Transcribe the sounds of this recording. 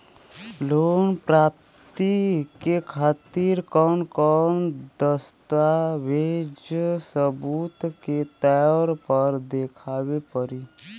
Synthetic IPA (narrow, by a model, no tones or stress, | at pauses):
loːnpɾaːp̚ | t̪ikekʰaːt̪iɾkɔːnkɔnd̪əst̪aʋeːd͡ʒsəbuːt̪ket̪ɛɔɾpəɾd̪eːkʰaːwepəɾi